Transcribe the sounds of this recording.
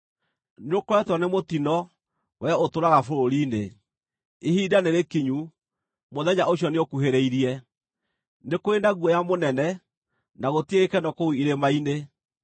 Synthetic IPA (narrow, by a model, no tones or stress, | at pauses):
neokwɛtwɔnemotinɔ | wɛotoɾaɣafoɾoɾiːnḛ | ehiːdaneɾekiɲu | moðɛɲaoɕ̬jɔneokuɦeɾeiɾiɛ | nekoendaɣuɔjamonɛnɛ | naɣotieɣekɛnɔkouiɾemaine